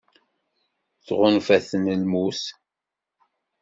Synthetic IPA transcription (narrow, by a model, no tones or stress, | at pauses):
θʁʊnfæθənəlmus